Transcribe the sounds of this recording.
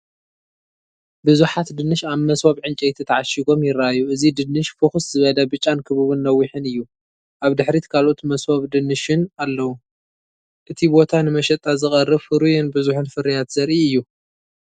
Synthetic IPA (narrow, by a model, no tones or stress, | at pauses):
bɨzuħat̪d̪ɨnːɨʃaβmɐsho̞βʕɨnt͡ʃʼɛjt̪ʰit̪ʰɐʕaʃiɡo̞mjɪraajːuʔɨzid̪ɨnːɨʃfɨxuszɨβɐlɐbɨt͡ʃʼːankʰɨβuβɨnːɐwːiħɨnɨjːu | ʔaβd̪ɨħɾit̪kʰalʔot̪mɐswo̞βd̪ɨnːɨʃɪnalːɐwu | ʔɨt̪ʰibo̞t̪ʰanɨmɐʃɐt̪ʼːazɨχʼɐrːɨβfɨɾujɛnbɨzuħɨnfɨɾijat̪zɐɾʔiɨjːu